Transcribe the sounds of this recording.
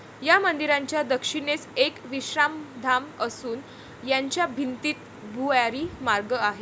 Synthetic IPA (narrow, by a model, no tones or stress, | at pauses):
jamənd̪iɾãɲt͡ɕjad̪əkʂinesekʋiɕɾamd̪ʱaməsuːn | jaɲt͡ɕjabʱint̪iːt̪ | bʱujaɾiːmaɾɡəaɦe